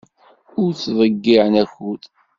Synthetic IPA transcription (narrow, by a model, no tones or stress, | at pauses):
ʊɾt͡sːðˤəɡːiʕənæçuθ